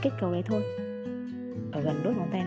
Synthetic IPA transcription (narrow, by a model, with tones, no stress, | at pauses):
ke˦˥t̚kə˨˩wlə̰˧˨˩jt̪ʰo˧j | ʔəː˧˩ɣə˨˩nɗu˦˥mo˧˩nt̪a˧j